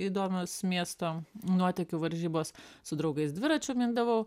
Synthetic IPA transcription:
iːd̪oːmʲoːsmʲiɛst̪oːnuɔt̪ʲɛkʲʊʋɐɾʲʒʲiːboːssʊd̪ɾɒʊɡɐɪsd̪ʲʋʲɪɾɐt͡ʃʲʊmʲind̪ɐʋɐʊ

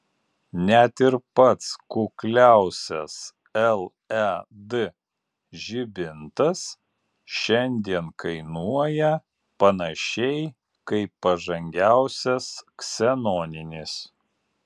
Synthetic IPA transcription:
nʲɛæt̪ɪɾpɐt̪skʊklʲæˑʊsʲɛs | ɛlˠ | d̪ɨ | ʒʲɪbʲɪnt̪ɐs | ʃʲɛnʲd̪ʲiɛnkɐɪnuɔjɛ | pɐnɐʃʲɛɪ | kɐɪpːɐʒɐŋʲɡʲæˑʊsʲɛsksʲɛnɔːnʲɪnʲɪs

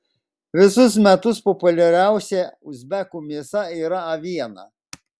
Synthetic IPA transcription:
ʋʲɪsʊs̬mʲɛt̪ʊspɔpʊlʲɛɾʲæˑʊsʲɛʊzʲbʲɛkuːmʲiɛsɐiːɾɐɐʋʲiɛnɐ̰

